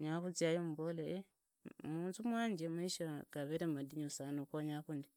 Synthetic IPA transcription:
ɲakut͡siajomubolee | muːntumwaːɲd͡ʒemaiʃaɡ̥aβeɾemmadiɲosanokoɲakundi

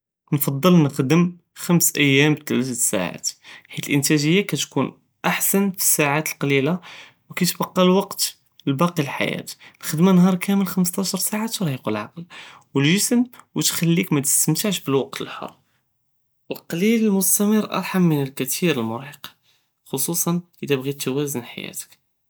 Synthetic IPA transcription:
nfɑd̪ˤːəlnəxd̪əm | xæmsʔəjːæmbt̪ælæt̪ət̪sa̰ʕa̰t̪ħit̪əlʔənt̪æʒəjːakæt̪kun | ʔaħsænfi̥sːaʕat̪əlqɑlila | wkæt̪bɑqːɑlwɑqt̪ | əlbɑqilħa̰jæ̰t̪nəxəd̪manhɑɾˤkʰæməlxəməs̬t̪ˤɑʃəɾˤsaʕat̪ɾˤhiqəlʕɑqlwəlʒəsmwət̪xælːikmæt̪ə̥st̪əmt̪aʕʃbəlwɑq̚t̪əlħo̰ɾˤ | wəlqɑliləlmʊst̪æməɾʔɑ̰ɾˤħamːənəlkæt̪ʰiɾəlmʊɾħiq | xosˤusˤɑnʔəd̪æbɣit̪ːæwæzənħa̰jæ̰t̪ə̥k

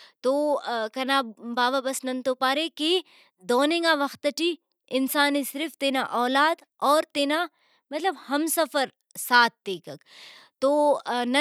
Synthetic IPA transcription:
t̪oːkɐnaːbaːʋabɐsnɐ̃nt̪oːpaːɾeke | d̪ɔːnɪ̃ŋɡaːʋɐxt̪ɐʈi | ɪnsaːnesɪɾfʰt̪eːnaʔɔːlaːd̪ | ɔːɾt̪eːna | mɐt̪ləbhɐmsɐfəɾ | saːt̪̚d̪eːkɐkt̪oːnɐ

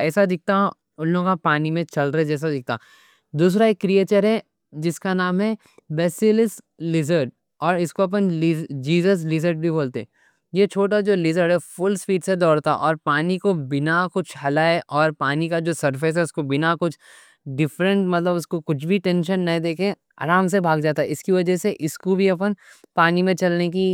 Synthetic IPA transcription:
ɛːsad̪ɪk̚ʰt̪ã | ʊnloɡapaːnimẽt͡ʃɐlɾɐɦɛd͡ʒɛːs̬ad̪ɪk̚ʰt̪a̰ | d̪uːs̬ɾaeːkːɾieːt͡ʃəɾɦɛ | d͡ʒɪskanaːmɦɛ | bɛːsɪlɪslɪzəɾʈ̚ | ɔːɾɪskoɐp̬ənld͡ʒiːzəs̬lɪzəɾʈ̚bʱiboːlt̪eɛ | jet͡ʃʰoːʈad͡ʒoːlɪzəɾɖɦɛfʊlsfiːɖsed̪ɔːɽt̪a̰ʔɔːɾpaːnikobɪnakʊt͡ʃʰɦɐlaːeʔɔːɾpaːnikad͡ʒoːsɐɾfes̬ɦɛʊskobɪnakʊt͡ʃʰ | ɖɪfɾə̃ɳʈmɐt̪ləbʊskokʊt͡ʃʰbʱiʈẽːnʃənːɐɦĩd̪eːkʰẽ | a̰ːɾaːms̬ebʱaːɡd͡ʒaːt̪aɛɪskiʋɐd͡ʒəseʔɪskobʱiɐp̬ənpaːnimẽt͡ʃɐlnek̬i

